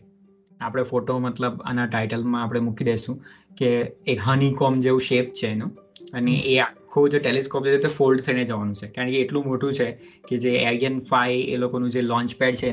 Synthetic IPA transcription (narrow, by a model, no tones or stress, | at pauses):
apɽ̃efoʈomət̪ləba̰naʈaiʈəlmãapɽ̃emukid̪eʃũ | keːkɦənikɔmd͡ʒeʋũʃep̚t͡ʃʰenũ | əneʔeakʰːud͡ʒoʈeleskop̚d͡ʒeet̪ofolɖt̪ʰəined͡ʒəʋanũt͡ʃʰekaɾə̃ɳkeːʈlũmoʈũt͡ʃʰe | ked͡ʒeeɾiənfaiḛlokonũd͡ʒelɔ̃ɲt͡ʃpɛɖt͡ʃʰe